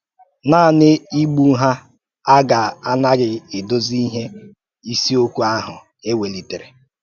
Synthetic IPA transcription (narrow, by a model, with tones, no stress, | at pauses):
naː˦˨nɪ˦i˦ɡ͡bu˦ɦa˦ | a˦ɡa˨a˦na˦ɣɪ˨ɪ˨do˦zi˦ɦe˦ | i˦si˦o˦kʷu˦a˦ɦʊ˨ | e˦we˨li˨te˨ɾe˨